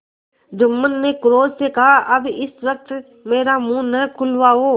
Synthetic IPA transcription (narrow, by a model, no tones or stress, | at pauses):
d͡ʒʊmːənːekʊɾoːzsekɐɦaʔɐbɪsʋək̚t̪ | meːɾamũːnəkʰʊlʋaɦoː